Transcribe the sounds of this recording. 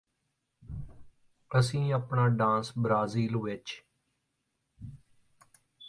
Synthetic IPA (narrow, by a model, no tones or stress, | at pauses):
əsĩːaːpɳaːɖãːnsbɾaːziːlʋɪt͡ʃ